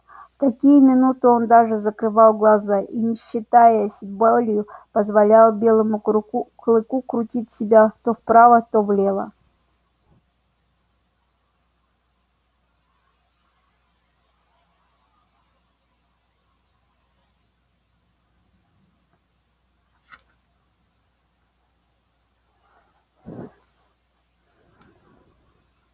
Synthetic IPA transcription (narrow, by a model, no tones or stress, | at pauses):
t̪ɐkʲijʊmʲɪnut̪ɨo̞nd̪aʐɨzəkɾɨvɑlˠɡlˠɐzaʔinʲɪɕːɪt̪ajəɐsʲɪbolʲɪjʊpəzvalʲalˠbʲe̞lˠəmʊklˠɨkukɾʊtʲitʲsʲɪbʲat̪ofpɾavət̪ovlʲe̞lˠə̰